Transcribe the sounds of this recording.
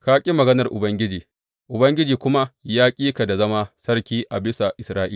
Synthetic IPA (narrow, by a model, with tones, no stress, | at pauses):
ka˦kʲʼi˦mɐ˨ɡɐ˦nɐ˨rʔʊ˨bɐ˦ŋɡʲɪ˦d͡ʒiː˨ | ʔʊ˨bɐ˦ŋɡʲɪ˦d͡ʒiː˨kʷʊ˦ma˦jaː˦kʲʼiː˦ka˨da˨zɐ˦maː˦sɐ˦rkʲiː˦ʔa˨bɪ˦sa˨ʔɪ˨sɾaː˦ʔi˦˨